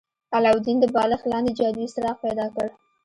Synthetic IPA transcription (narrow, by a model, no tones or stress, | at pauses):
alawd̪ind̪əbɑləxlɑnd̪ed͡ʒɑd̪isɾɑqpajd̪ɑkəɽ